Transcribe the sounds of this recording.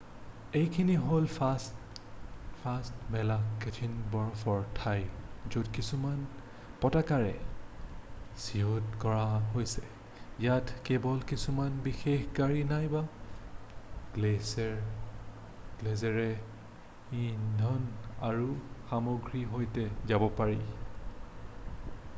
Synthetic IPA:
ejkʰiniɦolfʰas | pʰastmɛlaketʰinbɔɹɔpʰɔɹtʰajzudkisuman | pɔtakaɹɛ | siotkɔɹaɦojsɛ | jatkɛbɔlkisumanbixexɡaɹinajba | ɡ̥lesɛɹ | ɡ̥lɛzɛɹɛ | indʱɔnaɹuxamoɡɹiɦojtɛzabɔpaɹi

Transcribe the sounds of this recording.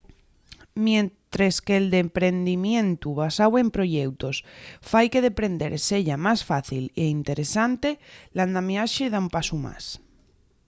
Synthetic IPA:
mjent̪ɾeskeːld̪e̞mpɾe̞nd̪imjẽ̞nt̪uβasawe̞mpɾo̞ʝe̞wt̪o̞sfajke̞ðe̞pɾe̞nd̪e̞ɾse̞ʎamasfaθileint̪e̞ɾe̞sant̪e̞land̪ameaʃeð̞aumpasuma̰s

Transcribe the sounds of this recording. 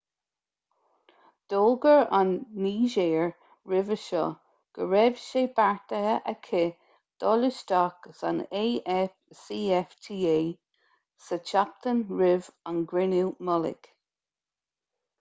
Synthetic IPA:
d̪̥oːlɡəɹanːiːʒeːɹ | ɹɪvəʃɔ̰ | ɡ̥əɹɛv̥ʃeːbaɹt̪əəʔəkʰɪ | d̪̥ɔlɪʃdaksa̰ne | siːɛftʰiːeː | sət͡ʃap̚t̪ʰənɹɪvanɡɹɪnimɔlɪ̰k

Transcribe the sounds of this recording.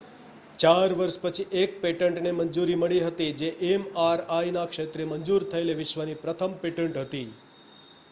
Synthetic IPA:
t͡ʃaɾʋəɾʃpət͡ʃʰiʔek̚peʈəɳʈnemənd͡ʒuɾiməɭiɦət̪id͡ʒeʔemaɾajnakʃet̪ɾemənd͡ʒuɾt̪ʰəeleʋɪʃʋənipɾət̪ʰəmpeʈəɳʈɦət̪i

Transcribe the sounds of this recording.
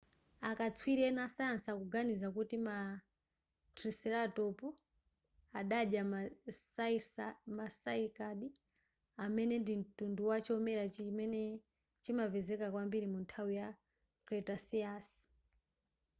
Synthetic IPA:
akat͡sʰwiɾɛnasajansakuɡanizakutima | tʰɾisɛɾatɔpɔ | aɗaɗja | masaikaɗi | amɛnɛndin̩tunduwat͡ʃiɔmɛɾat͡ʃimɛnɛ | t͡ʃimapɛzɛkakwambiɾimuntʰawija | kɾɛtasiasi̥

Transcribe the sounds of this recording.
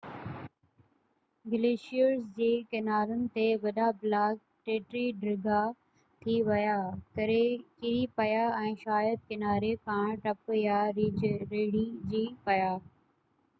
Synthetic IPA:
ɡɪleːʃijəɾsd͡ʑeːkɪnaːɾənɪ̆t̪eʋɐɗablaːk̚ | ʈeːʈɾiɖɾɪɡa | t̪ʰiʋɐjaːkɐɾekɪɾipɐjaːɛ̃ːʃaːjəd̪̚kɪnaːɾekʰãːɳ̃ʈɐpjaːɾiːd͡ʒɾeːɽid͡ʑiːpɐjaː

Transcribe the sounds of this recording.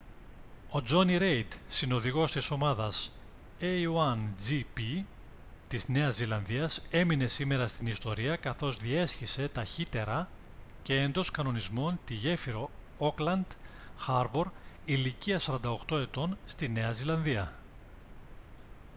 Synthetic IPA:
o̞d͡zo̞niɾe̞jt̪sino̞ðiɣo̞st̪iso̞mɐðɐs | eoɐnzipi | t̪izne̞ɐzːilɐnðiɐse̞mine̞sime̞ɾɐst̪inist̪o̞ɾiɐkɐθo̞zðie̞sçise̞t̪ɐçit̪e̞ɾɐ | ce̞end̪o̞skɐno̞nizmo̞nt̪iʝe̞fiɾo̞ | oklɐnd̪ | xɐɾbo̞ɾ | iliciɐsɐɾɐnd̪ɐo̞kt̪o̞e̞t̪o̞nst̪ine̞ɐzilɐnðiɐ

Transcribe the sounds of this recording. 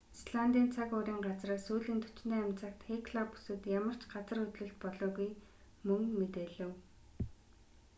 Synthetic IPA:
sɮant̪iːnt͡sʰakʊːɾʲiːŋɢat͡sraːsuːɮiːnt̪ʰɵ̥t͡ɕ̆nt̪eːæmʲt͡sʰə̆kt̪xekʰɮapːu̥sɘ̆t̪jamə̆r̥t͡ɕʰɢat͡sə̆ɾɵt̪ɮɵ̆ɬt̪̚pɔɮɔːɣuj | mɵŋmet̪eːɮɘ̆w

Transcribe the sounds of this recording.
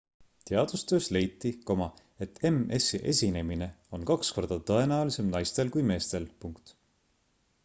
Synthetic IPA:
t̪e̞ɑd̪̥ust̪ø̞ːsle̞jt̪ːˑiko̞mɑ | et̪ːe̞me̞siʔe̞̰sʲine̞mine̞o̞nkɑksko̞rd̪̥ɑt̪ɤe̞næolise̞mnɑjst̪e̞lkujme̞ːst̪e̞lpuŋkt̪

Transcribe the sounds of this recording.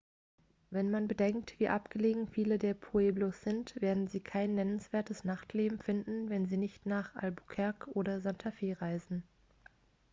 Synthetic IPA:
vɛnmanbədɛŋk̚tv̥iːʔapɡ̥əleːɡŋ̩fiːlədeːɐpʰoeːbloːsz̥ɪntv̥eːɐdn̩ziːkʰaɪnːɛnənsv̥eːɐtəsnaχtʰleːbm̩fɪndn̩vɛnziːnɪçtnaːχʔa̰lbukʰɛɐkʔoːɾɐzantʰafeːʁaɪzn̩

